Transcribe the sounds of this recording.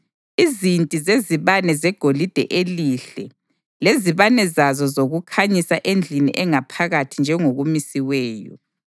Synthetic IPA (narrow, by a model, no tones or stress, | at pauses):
izintʼizeziβanɛzɛɡ̥ʱolid̥ʱɛ̰ʔeliɬɛ | leziβanɛzazɔzoɣukʰaɲisaʔend͡ɮʱinḭʔɛŋapʰaɣatʰind͡ʒʱɛŋoɣumisiwɛːjɔ̰